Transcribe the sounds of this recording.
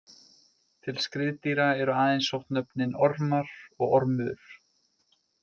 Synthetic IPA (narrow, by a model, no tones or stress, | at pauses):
t̪ʰɪlskɾɪðt̪iɾaɛɾʏaːðejnsɔwht̪nœpnɪnɔɾmaɾɔɣɔɾmʏðʏɾ̥